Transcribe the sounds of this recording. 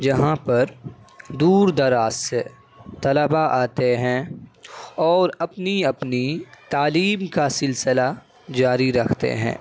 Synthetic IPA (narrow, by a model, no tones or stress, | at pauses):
d͡ʒɐɦãpɐɾd̪uːɾd̪ɐɾaːsse | t̪ɐləbaʔaːt̪eɦɛ̃ | ɔːɾɐpniɐpnit̪aːliːmkasɪlsɪla | d͡ʒaːɾiɾɐkʰt̪ḛɦɛ̰̃ː